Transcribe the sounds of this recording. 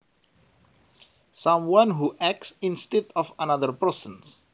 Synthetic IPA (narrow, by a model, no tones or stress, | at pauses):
sãmwãnɦuʔɛk̚sĩnst̪ɛdɔfanaðərpəɹsə̃ns